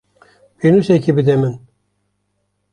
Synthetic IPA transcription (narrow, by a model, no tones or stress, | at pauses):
benusɛkibɨd̪ɛmɨn